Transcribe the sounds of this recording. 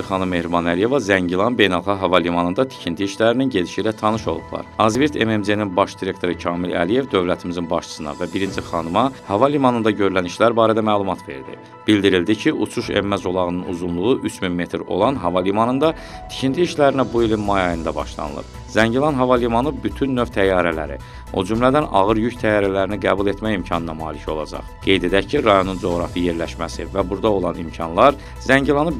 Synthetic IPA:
χɑnɯmːe̞hɾibɑnælije̞vɑzæɲɟilˠɑnbe̞jnælˠχɑqɦɑvɑlimɑnɯnd̪ɑt̪ʰi̥cʰint̪ʰiːʃlæɾininɟe̞d̪iʃiːlæt̪ʰɑnɯʃo̞lˠṵpʰlˠɑ̰ɾɑzviɾt̪ʰe̞memzeninbɑʃd̪iɾe̞k̚t̪ʰo̞ɾɯcʰɑːmilæ̰lije̞vd̪ø̞vlæt̪ʰimizinbɑʃt͡ʃʰɯ̥sɯnɑ̰væbiɾind͡ʒiχɑnɯmɑhɑvɑlimɑnɯnd̪ɑɟø̞ɾlæniʃlæɾbɑːɾæd̪æmæːlˠumɑt̪ʰve̞̰ɾd̪ḭ | b̥ilʲd̪iɾild̪icʰiʔut͡ʃʰuʃḛmmæzo̞lˠɑɣɯnɯnṵzunlˠuʁuʔyt͡ʃʰminme̞t̪ʰɾo̞̰lˠɑnɦɑvɑlimɑnɯnd̪ɑ | t̪ʰi̥cʰint̪ʰiːʃlæɾinæbuilinmɑjɑjɯnd̪ɑbɑ̰ʃlˠɑ̰nɯ̰lˠɯ̰p | zæɲɟilˠɑnɦɑvɑlimɑnɯbyt̪ʰynːø̞vt̪ʰæjɑːɾælæ̰ɾḭ | o̞̰d͡ʒymlæd̪ænɑ̰ɣɯɾjyct̪ʰæjːɑːɾælæɾiniɡæːbulˠe̞t̪ʰmæjimcʰɑnɯnɑmɑ̰ːlicʰo̞̰lˠɑ̰d͡ʒɑ̰χɡ̥e̞jd̪e̞d̪æcʰiɾɑjo̞nund͡ʒo̞ɣɾɑfɯje̞ɾlæʃmæsivæbuɾd̪ɑo̞lˠɑnimcʰɑnlˠɑɾ | zæɲɟilˠɑnɯ

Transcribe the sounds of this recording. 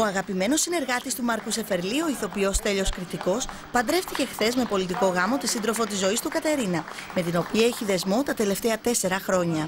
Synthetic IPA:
o̞ɐɣɐpime̞no̞sːine̞ɾɣɐt̪ist̪umɐɾkuse̞fe̞ɾlio̞iθo̞pio̞st̪e̞ʎo̞skɾit̪iko̞s | pɐnd̪ɾe̞ft̪ice̞xθe̞zme̞po̞lit̪iko̞ɣɐmo̞t̪isind̪ɾo̞fo̞t̪izːo̞ist̪ukɐt̪e̞ɾinɐ | me̞t̪ino̞piɐeçiðe̞zmo̞t̪ɐt̪e̞le̞ft̪e̞ɐt̪e̞se̞ɾɐxɾo̞ɲɐ

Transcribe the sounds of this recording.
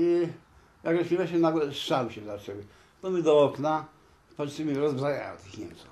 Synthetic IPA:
i | jaɡɛʃmʲimɛɕɛnaɡlɛsʂawɕɛzat͡ʂɛwi | t̪ɔmʲid̪ɔɔkna | patʂɨmʲiɾɔzbzaja̰jɔ̰mt̪ɪxɲɛ̰mt̪sux

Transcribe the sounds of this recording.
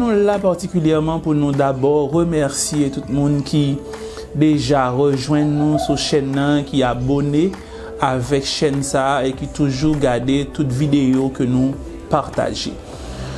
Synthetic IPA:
nũlapaʁt̪ikʲyljɛʁmɑ̃punũd̪abɔʁʁəmɛʁsijet̪ut̪̚mũnkʲʰi | d̪eʒaʁəʒwɛ̃nːũsuʃɛnːɑ̃kiabone | avɛkʃɛnsaekit̪uʒuʁɡaʁdet̪ut̪vid̪eokənũ | paʁt̪a̰ʒḛ

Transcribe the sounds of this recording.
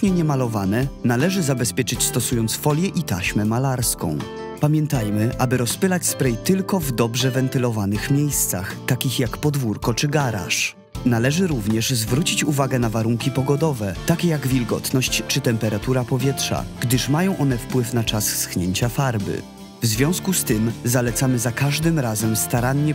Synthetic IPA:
tɲɛɲɛmalɔvanɛnalɛʐɘzabɛspʲjɛt͡ʂɘt͡ɕst̪ɔsujɔnt̪sfɔlʲjɛʔit̪aɕmɛmalaɾskɔ̰̃w̃ | pamʲjɛnt̪ajmɘʔabɘɾɔspɘlat͡ɕspɾɛjt̪ɘlkɔvd̪ɔbʐɛvɛnt̪ɘlɔvanɘxmʲjejst̪sa̰xt̪akʲixjakpɔd̪vuɾkɔt͡ʂɘɡaɾa̰ʂ | nalɛʐɘɾuvɲɛʐzvɾut͡ɕit͡ɕuvaɡɛnavaɾuŋkʲipɔɡɔd̪ɔvɛt̪akʲɛjaɡvʲilɡɔ̰t̪nɔɕt͡ɕt͡ʂɘt̪ɛmpɛɾat̪uɾapɔvʲjɛtʂa̰ɡ̥d̪ɘʂmajɔ̃w̃ʔɔn̪ɛfpwɘfnat͡ʂassxɲeɲt͡ɕafaɾbɘ̰ | vzvʲjɔ̃w̃skust̪ɘmzalɛt̪samɘzakaʐd̪ɘmɾazɛmst̪aɾaɲːɛ

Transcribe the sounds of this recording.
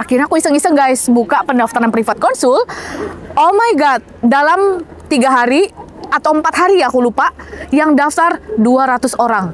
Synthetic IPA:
akirnɲakuisəŋisəŋɡajsbukaʔpəndaft̪aɾanpɾifat̪̚kɔnsʊl | ʔomajɡat̪̚dalamt̪iɡaɦaɾiat̪awəmpat̪ɦaɾiakulupaʔjaŋdaft̪arduaɾat̪ʊsoɾaŋ

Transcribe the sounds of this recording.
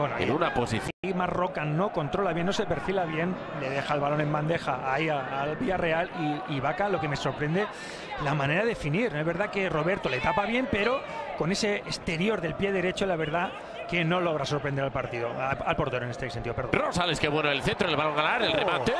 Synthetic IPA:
weno̰unaposḭθimazro̞kano̞ko̞nt̪ɾo̞laβje̞nːosepe̞ɾfilaβ̞je̞n | le̞ðe̞xalβalo̞ne̞mband̪e̞xaaiaːlβiare̞aliːβakalo̞ke̞me̞so̞ɾpɾe̞nd̪e̞ | lamãne̞ɾaðeefiniɾezβeɾðake̞ro̞βe̞ɾt̪o̞le̞t̪apaβje̞mpe̞ɾo̞ | ko̞ne̞se̞eːst̪e̞ɾjo̞ɾðe̞lpje̞ðe̞ɾe̞t͡ʃolaβ̞e̞ɾð̞a | ke̞no̞lo̞ɣɾaso̞ɾpɾe̞nd̪eɾalpaɾt̪iðoalpo̞ɾt̪eɾoenest̪eseniðopeɾðrosaleskeβwenoelθent̪ɾoleaɣanaɾelremat̪e

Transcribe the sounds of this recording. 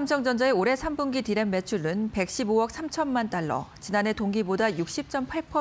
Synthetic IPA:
amsʰʌŋd͡ʑʌnd͡ʑaeoɾe̞sʰambunɡitiɾenme̞t͡ɕʰuɭːɯnpe̞k̚ɕ͈ibowʌk̚sʰamt͡ɕʰʌnːant͈aɭːʌ̰t͡ɕinane̞toŋɡibodajuk̚ɕ͈ip̚t͡ɕ͈ʌmpʰaɭpʰʌ

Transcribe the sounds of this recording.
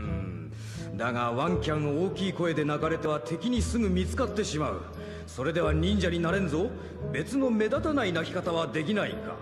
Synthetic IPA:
ɯ̃ | d̪aɡaβãŋkʲãɰ̃oːkʲiːko̞e̞d̪e̞naɡaɾe̞t̪e̞βat̪ʰe̞kʲiɲ̟isɨɡɯ̟mʲit͡sɨ̥kat̪ːe̞ɕimaɯ̟̰ | so̞ɾe̞d̪e̞β̞aɲ̟ĩɲd͡ʑaɲ̟inaɾẽ̞nzo̞ | be̞t͡sɨno̞me̞d̪at̪anainakʲi̥kat̪aβad̪e̞k̬ʲinaḭka̰

